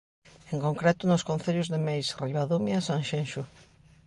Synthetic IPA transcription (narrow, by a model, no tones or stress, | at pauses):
eŋkoŋkɾɛt̪ʊnʊskõn̟θeʎʊzðemejsriβaðomjasãŋʃẽnʃʊ